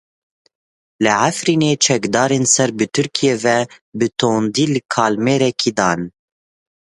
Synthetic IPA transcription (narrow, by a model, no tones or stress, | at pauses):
lɨʕafɾiːneːt͡ʃʰɛkd̪ɑːɾeːnsɛɾbɨt̪ʰɨɾkʰijeːvɛbɨt̪ʰoːnd̪iːlɨkʰɑːlmeːɾɛkʰiːd̪ɑːn